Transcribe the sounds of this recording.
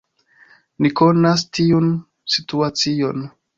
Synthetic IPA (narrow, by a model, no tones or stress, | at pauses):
niko̞nastiun | situat͡sio̞̰n